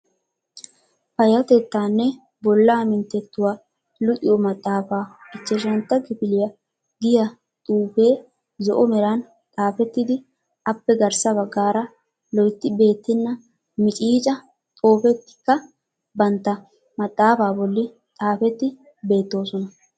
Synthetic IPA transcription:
pɐjɐt̪ɛt̪ːaːnːɛ | bɔlːaːmɪnt̪ːɛt̪ːʊwa | lʊt̪ʼɪjɔmɐt̪ʼːaːfaːɪt͡ʃːɛʃ̬ɐnt̪ːɐɡɪfɪlɪjɐ | ɡɪjɐ | t̪ʼuːpe̞ː | zɔʔɔmɛɾɐn | t̪ʼaːfɛt̪ːɪd̪ɪ | ɐpːɛɡɐɾsɐbɐɡːaːɾɐ | lɔjt̪ːɪbe̞ːt̪ːɪnːɐ | mɪt͡ʃʼiːt͡ʃʼɐ | t̪ʼo̞ːfɛt̪ːɪ̥kːɐ | bɐnt̪ːɐ | mɐt̪ʼːaːfaːbɔlːɪ | t̪ʼaːfɛt̪ːɪ | be̞ːt̪ːo̞ːsɔnɐ

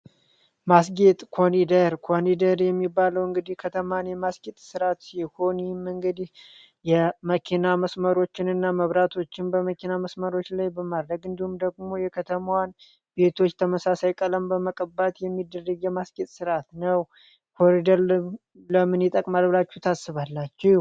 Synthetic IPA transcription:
masɡet̪ʼkʰo̞nid̪əɾkʰonid̪əɾjɛmːibːaləwɨŋɡɨd̪ihkʰət̪ʰəmanjɛmasɡet̪ʼsɨɾat̪siho̞nmɨŋɡɨd̪ih | jɛməkʰinaməsməɾo̞t͡ʃːɪnɨnːaməβɾat̪ʰo̞t͡ʃːɪnbəməkʰinaməsməɾo̞t͡ʃːlajbəmad̪ɾəɡɨnd̪ihumd̪əɡmo̞jɛkʰət̪ʰəmwan | be̞t̪ʰo̞t͡ʃːt̪ʰəməsasajkʼələmbəməkʼəbat̪jɛmːid̪ːərːəɡjɛmaskʼit̪ʼsɨɾat̪nəw | kʰo̞ɾid̪əɾ | ləmɨnjɛt̪ʼəkʼmalbɨlat͡ʃːut̪ʰasːɨβalːat͡ʃːɛ

